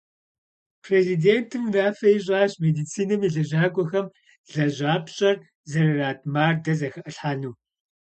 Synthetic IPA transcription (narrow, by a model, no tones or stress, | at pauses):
pʰreːzideːntʰɨmraːfɐiɕ̬ʼaːɕmedit͡sʰiːnɨmiɮɐʑaːɡʷʼɔxɐm | ɮɐʑaːpʰɕʼɐr | zɐrɐraːtʰmaːrdɐzɐxɐʔɨɬħaːnuː